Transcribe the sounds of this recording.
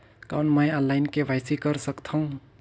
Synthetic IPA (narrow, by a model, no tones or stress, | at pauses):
kaʊnməjəlːaɪnkeʋʱaɪsikəɾsəkt̪ʰaũ